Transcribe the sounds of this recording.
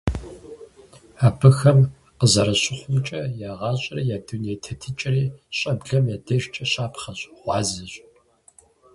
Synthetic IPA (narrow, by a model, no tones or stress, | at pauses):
aːbɨxɐm | qəzɐɾɐɕʼɪχʷʊmt͡ʃʼɐjaːʁɑːɕʷʼɐrɐjaːduneːtʰɐtʰɨt͡ʃʼɪriːɕʼɐbɮɐmjaːdɐʃt͡ʃʼɐɕʼaːpχɐɕʼʁʷɑːzɨɕʼ